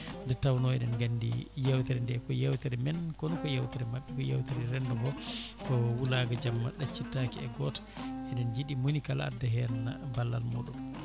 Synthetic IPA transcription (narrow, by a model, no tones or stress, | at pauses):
ndɛtawnɔɛɗɛnɡanːdḭjawtɛɾɛndɛkɔjawtɛɾɛmɛnkɔnɔkɔjawtiɾɛmaɓːɛkɔja̰wtiɾɛɾɛndɔbɔkɔwulaːɡad͡ʒamːaɗat͡ʃːitːaːkiɛɡɔtḁʔɛɗɛnd͡ʒiɗimonikalaa̰dːaɦɛnabalːa̰lmɔɗum